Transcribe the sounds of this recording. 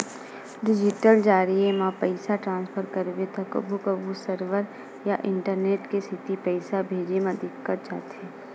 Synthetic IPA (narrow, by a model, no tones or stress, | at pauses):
ɖɪd͡ʒɪʈəld͡ʒaːɾiemãpəɪsaʈɾãːnspʰəɾkəɾʋet̪ʰɐkə̰bʱukəbʱusəɾʋəɾ | jaʔɪ̃ɳʈəɾneːʈkesɪt̪ipəɪsabʱeːd͡ʒemãd̪ɪkːəɾd͡ʒa̰ːt̪eː